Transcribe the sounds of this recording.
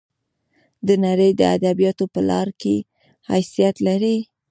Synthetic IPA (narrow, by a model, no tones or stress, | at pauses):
d̪ənaɾəjd̪əa̰d̪abijɑt̪opəlɑɾke | hajsijat̪laɾi